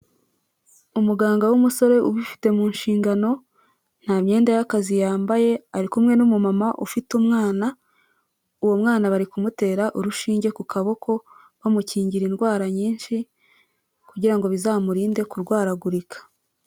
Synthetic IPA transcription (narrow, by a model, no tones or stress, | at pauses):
umuɡaːŋɡawumuso̞ɾe̞ʔuβifi̥te̞muːnʃiːŋɡano̞ | n̥haːmɲe̞ːndajakazijaːmbaje̞aɾikumŋe̞numumamaʔufitumŋaːna | uwomŋaːnaβaɾikumute̞ːɾaʔuɾuʃiːɲɟe̞kukʰaβo̞kʰo̞ | βamuciːɲɟiɾinɡwaːɾaɲiːnʃi | kuɟiɾaŋɡo̞βizamuɾiːnde̞kuɾɡwaːɾaɡuɾikʰḁ